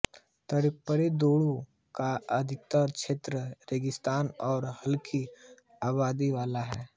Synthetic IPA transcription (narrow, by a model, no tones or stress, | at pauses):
t̪əɾɪpːəɾed̪oːɽu | kaɐd̪ʱɪk̚t̪əɾʃeːt̪ɾəɾeːɡɪst̪aːnɔːɾhɐlkʰi | aːβaːd̪iʋaːlaɦɛ̰ː